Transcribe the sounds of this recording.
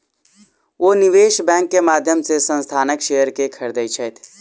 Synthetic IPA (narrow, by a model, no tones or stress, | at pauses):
ʋoːnɪʋeːʃbɛ̃ːŋkːemaːd̪ʱjəmsesə̃nst̪ʰaːnəkʃejəɾkekʰəɾd̪əjt͡ʃʰɛt̪ʰ